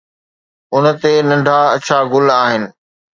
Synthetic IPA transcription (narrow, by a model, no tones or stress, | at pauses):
ʊnə̆t̪enɐ̃ɳɖʱaɐt͡ɕʰaɡʊlaːɦɪnɪ̆